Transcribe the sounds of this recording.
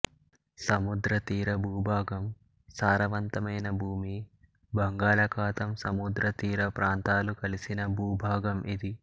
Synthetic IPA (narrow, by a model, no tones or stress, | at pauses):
sɐmud̪ɾɐt̪iːɾɐbʱuːbʱaːɡɐm | saːɾɐʋɐnt̪ɐmɐjnɐbʱuːmi | bɐŋɡaːlɐkʰaːt̪ɐmsɐmud̪ɾɐt̪iːɾɐpɾaːnt̪aːlukɐlisinɐbʱuːbʱaːɡɐmʔid̪i